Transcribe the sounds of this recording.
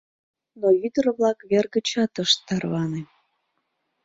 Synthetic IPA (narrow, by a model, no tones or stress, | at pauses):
noyd̪ərəβlɑkβerɣət͡ɕɑt̪əʃt̪ːɑrβɑne